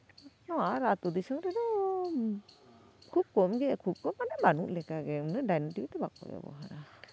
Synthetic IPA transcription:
nɔwaɾat̪ud̪isəŋɾɛd̪ɔ | kʰub̚kɔmɡɛkʰup̚kɔmːanabanṵʔlɛkaɡɛnɯdajnatiwt̪ɛbak̚ːɔ̰jɛ̰bɔ̰ɦaɾa

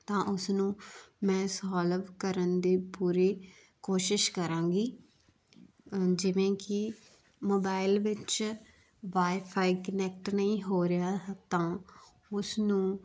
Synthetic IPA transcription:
t̪ãːʔʊsnũːmɛ̃ːsɔːləʋkəɾənd̪iːpuːɾiː | koːʃɪʃkəɾãːɡiː | d͡ʒɪʋẽːkɪ | moːbaːɪlʋɪt͡ʃ | ʋaːipʰaːiːkənɛːk̚ʈnəĩːɦoːɾɪjaːt̪ãː | ʊsnũː

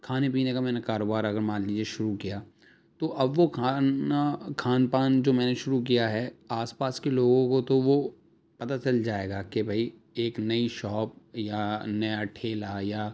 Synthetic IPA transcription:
kʰaːnep̬iːnekamɛ̃ːnakaːɾoːbaːɾɐɡəɾmãːnliːd͡ʒieʃʊɾukijaː | t̪oʔɐbʋoakʰaːnpaːnd͡ʒoːmɛ̃ːneʃʊɾuk̬ijaɦɛaːspaːskeloːɡõkot̪oʋo | pɐt̪at͡ʃɐld͡ʒaːeːɡaːkebʱɐi | eːknɐiʃɔːp̚janɐjaʈʰeːlajaː

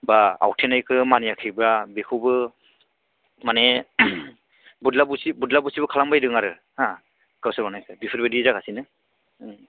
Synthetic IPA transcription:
baa̰wtʰenajkʰɯmanijakʰijbɾabekʰuwbɯ | mane | budlabusibudlabusibɯkʰalambajdɯŋaɾɯ | ha | kawsɯɾanajkʰɯbipʰɯɾbadizakʰasinɯ

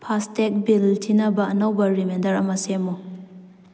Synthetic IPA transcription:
pʰastek̚biltʰinɐbɐɐnawbɐɾimendɐɾɐmɐsemu

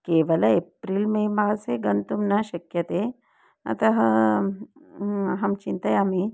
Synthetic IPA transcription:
keːʋɐlɐepɾiːlmemaːseɡɐnt̪umnaɕɐkjɐt̪e | ɐ̰t̪ɐɦɐ | ɦɐmt͡ʃint̪ɐjami

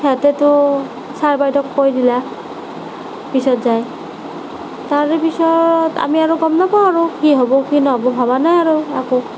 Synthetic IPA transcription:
hɛtɛtʊ | saɹbajtɔkpojdila | pisɔtzaj | taɹepisɔta̰miaɹoɡɔmnapaw̃aɹukiɦɔbɔkinɔɦɔbɔbʱaβanajaɹua̰ko

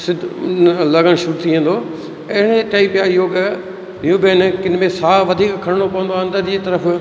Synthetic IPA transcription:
sɪd̪ʱlɐɡəɽ̃ʃʊɾt̪ʰiẽːnd̪o | eɽ̃eʈaːipjaːjoːɡ | juːbenkɪnmẽsaːʋɐd̪ʱiːkkʰɐɾɪɽ̃opɐʋə̃nd̪oaɐ̃nd̪əɾd͡ʑiːt̪ɐɾəf

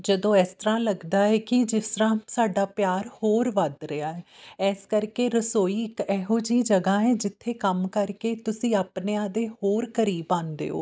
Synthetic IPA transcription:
d͡ʒəd̪õːɛːst̪əɾãːləɡd̪aːɛːkɪd͡ʒɪsɾãːsaːɖaːpjaːɾhoːɾʋəd̪ɾɪaːɛːɛːskəɾkeːɾəsoːiːɪkɛːɦoːd͡ʒiːd͡ʒəɡãːɦɛːd͡ʒɪt̪ʰːeːkəmkəɾkeːt̪ʊsĩːaːpneãːd̪eːhɦoːɾkəɾiːbãːnd̪ḛːo̰ː

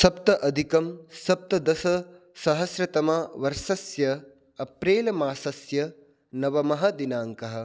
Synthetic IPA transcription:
sɐpt̪ɐʔɐd̪ʱikɐmsɐp̚t̪ɐd̪ɐsɐ | sɐɦɐsɾɐt̪ɐmɐʋɐɾʃɐsjɐ | ɐpɾeːlɐmaːsɐsjɐ | nɐʋɐmɐɦɐd̪inaːŋkɐɦɐ̆

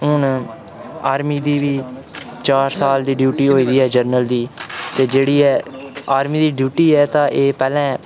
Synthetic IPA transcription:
ɦʊn | aːɾmiːd̪iːʋiːt͡ʃaːɾsaːld̪iːɖjuːʈiːɦoːiːd̪iːɛːd͡ʒəɾnəld̪iːt̪eːd͡ʒeːɽiːɛːaːɾmiːd̪iːɖjuːʈiːɛːt̪ãːʔeːpɛːlɛ̃ː

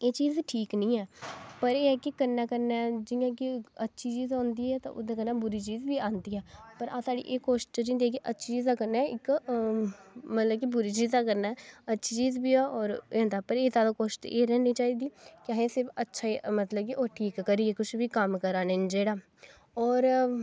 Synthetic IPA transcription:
eːt͡ʃiːzʈʰiːknĩːɛːpəɾeːɛːkɪkəɾnɛːkəɾnɛːd͡ʒɪjãːkɪətːʃʰiːt͡ʃiːzõːnd̪iːɛːt̪ã̰ʔʊ̰d̪ẽːkəɾnɛːbʊɾiːt͡ʃiːzbiːãːnd̪iːɛːpəɾʔãːsaːɖḭːʔeːkoːʃd͡ʒĩːnd̪iːɛːk̬ɪʔətːʃʰiːt͡ʃiːzd̪aːkəɾnɛːɪk | mət̪ləbkibʊɾiːt͡ʃiːzd̪aːkəɾnaːɛətːʃʰiːt͡ʃiːzbiːɛːɔːɾeːoːnd̪aːɛːpəɾeːzaːd̪aːkoːʃʈeːɾɛːniːt͡ʃaːiːd̪iːkɪaːɦẽːsɪɾfʰətːʃʰaːimət̪ləbkiʔoːʈʰiːkːəɾiːeːkʊt͡ʃʰʋiːkəmkəɾaːnend͡ʒeːɽaː | ɔːɾ

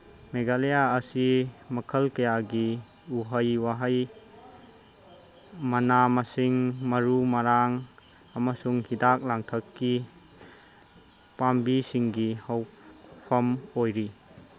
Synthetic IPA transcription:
meɡalejaəsimɐkʰəlkɐjaɡi | uɦəjwaɦəj | mɐnamasiŋmɐɾumɐɾaŋ | ɐmasuŋhidak̚laŋtʰəkːi | pambisiŋɡihɐwpʰɐmojɾi

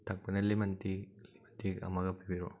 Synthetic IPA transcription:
tʰɐk̚pɐnɐlimɐntilimɐntikɐ̰mɐɡɐpibiɾo

